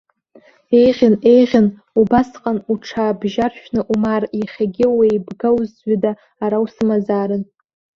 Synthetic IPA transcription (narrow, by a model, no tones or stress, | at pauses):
e̞jʁʲɪne̞jʁʲɪn | ubasqʼanuʈ͡ʂʰaːbʒarʃᶣnɨʔumariχʲaɡʲɪwejbɡawzʒadaː | ɾawsɨmazaːɾɨn